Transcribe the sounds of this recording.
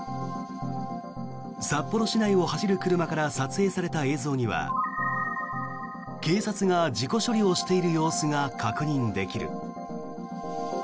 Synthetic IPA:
sapːo̞ɾo̞ɕinaio̞haɕiɾɯ̟kɯ̟ɾɯ̟makaɾasat͡sɨe̞ːsaɾe̞t̪ae̞ːzo̞ːɲ̟iβa̰ | ke̞ːsat͡sɨŋad͡ʑiko̞ɕo̞ɾʲio̞ɕi̥t̪e̞iɾɯ̟jo̞ːsɨŋakʰakɯ̟ɲ̟ĩnd̪e̞kʲiɾɯ̰

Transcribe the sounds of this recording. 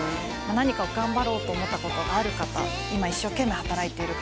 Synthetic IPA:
manaɲ̟ikao̞ɡãmbaɾo̞ːt̪o̞ːmo̞t̪ːako̞t̪o̞ɡaːɾɯ̟kat̪a̰ | imaiɕːo̞ke̞mːe̞hat̪aɾait̪e̞iɾɯ̟

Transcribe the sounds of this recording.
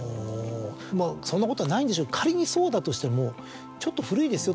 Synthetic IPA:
oː | maːso̞nːako̞t̪o̞anaĩnd̪eɕoːkʰaɾʲiɲ̟iso̞ːd̪at̪o̞ɕi̥t̪e̞mo̞ | t͡ɕo̞t̪ːo̞ɸɯ̟ɾɯ̟id̪e̞sɨjo̞

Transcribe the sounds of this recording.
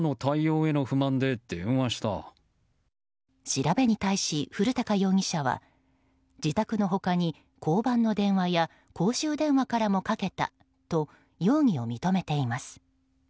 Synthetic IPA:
not̪ʰaio̞ːe̞noɸɯ̟mãnd̪e̞d̪̥ẽβaɕi̥t̪a̰ | ɕiɾabe̞ɲ̟it̪aiɕiɸɯ̟ɾɯ̟t̪akajo̞ːŋ̟iɕaβa̰ | d͡ʑit̪akɯ̟no̞ɦo̞kaɲ̟i | kʰo̞ːbãnːo̞d̪ẽ̞ɰ̃βaja | ko̞ːɕɨːd̪ẽ̞ɰ̃βakaɾamo̞kake̞t̪a̰ | t̪o̞ | jo̞ːŋ̟io̞mʲit̪o̞me̞t̪e̞imasɨ̥

